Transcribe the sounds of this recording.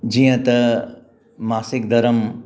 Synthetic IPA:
d͡ʑĩːjə̃t̪ɐ | maːsɪk̚d̪ʱɐɾəm

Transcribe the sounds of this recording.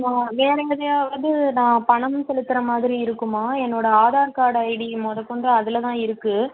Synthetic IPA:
naːʋeːɾɐŋɡɐðɐjaːʋɐnd̪ɯnãːpɐɳɐmsɛlɯt̪ːɪɾɐmaːðɪɾiɪɾɯkːɯmaːɛnːoːɽɐaːðaːɾkaːɽɐɪɽimɔðɐkːɔɳdɐɐðɪlɐt̪ãːɪɾɯkːɯ

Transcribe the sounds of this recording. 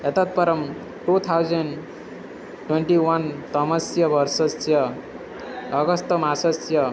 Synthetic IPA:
ɦʌt̪ʌt̪̚pʌɾʌm | ʈut̪ʰawd͡zʌɳɖ | ʈweɳʈiwʌnt̪ʌmʌsjʌbʱʌrsʌsjʌ | ɡʌst̪ʌmasʌsjʌ

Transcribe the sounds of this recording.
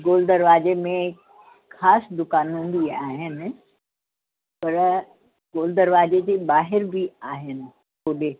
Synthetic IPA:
ɡoːld̪ɐɾʋaːzemẽ | xaːsd̪ʊkaːnɦũːn̆d̪iaːɦɪnɪ̆ | pɐɾ | ɡoːld̪ɐɾʋaːd͡ʑed͡ʑebaːɦɪɾbiaːɦɪnɪ̆ | poːɗeː

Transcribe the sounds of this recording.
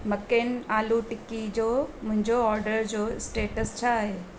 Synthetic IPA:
mɐkeːnaːluʈɪkːid͡ʑoːmʊ̃ɦɪ̃ɲd͡ʑoɔːɾɖəɾd͡ʑoːɪsʈeːʈəst͡ɕʰaɦeː

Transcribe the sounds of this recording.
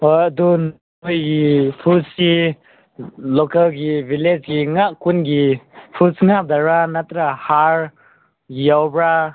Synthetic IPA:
ɔjad̪un | ujɡipʰusi | lɔkalɡibiled͡ʒɡiŋaʔkunɡipʰusŋap̚daɾanat̪ɾahaɾ | jawbɾa

